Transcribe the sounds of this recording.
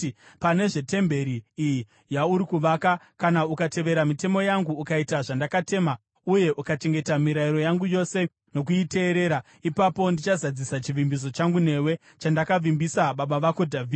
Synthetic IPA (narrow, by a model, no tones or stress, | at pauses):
pane̞ʐe̞te̞mbe̞ɾiːji | jauɾikuʋaka | kanaukate̞ʋe̞ɾamite̞mo̞jaŋɡuːkaitaʐandakate̞ːma | uje̞ʔukat͡ʃe̞ŋɡe̞tamiɾaiɾo̞jaŋɡujo̞se̞ | no̞k̬uite̞ːɾe̞ːɾa | ipapo̞ndit͡ʃazad͡zisat͡ʃiʋimbis̬o̞t͡ʃaŋɡune̞we̞ | t͡ʃandakaʋimbisaɓaɓaʋako̞dʱavi